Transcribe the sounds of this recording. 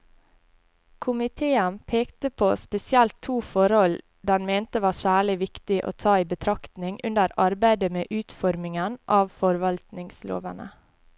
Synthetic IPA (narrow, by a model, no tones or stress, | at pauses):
kʰʊmɪt̪ʰeːənpʰeːkt̪əpʰoːspɛsɪɛlt̪ʰːuːfɔɾhɔl | d̪ænmeːnt̪əʋɑːsæːɭɪʋɪkt̪ɪʔo̰ːt̪ʰɑːiːbət̪ʰɾɑkt̪nɪŋʔʉnəɾɑɾbæɪd̪əmeːʔʉːt̪fɔɾmɪŋənʔɑːʋfɔɾʋɑlt̪nɪŋslo̰ːʋənə̰